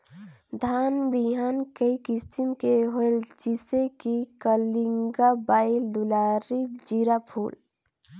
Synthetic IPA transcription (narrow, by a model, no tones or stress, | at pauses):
d̪ʱaːnbiɦaːnkəikissimkeɦoeld͡ʒisekikəliŋɡabaːɪld̪ulaɾid͡ʒiɾapʰṵːl